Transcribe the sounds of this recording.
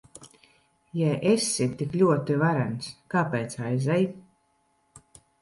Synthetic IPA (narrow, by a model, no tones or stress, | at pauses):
jajʔesit̪iklʲuɔt̪ivaɾænskaːpɛːt̪sajzɛj